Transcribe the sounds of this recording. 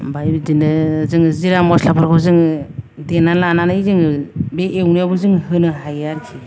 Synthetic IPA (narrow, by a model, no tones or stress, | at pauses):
bajbdinɯzɯŋziɾamɔslapʰaɾkʰɯzɯŋdenalananɯizɯŋbeewnijabɯzɯŋhɯnɯɦajaɾkʰi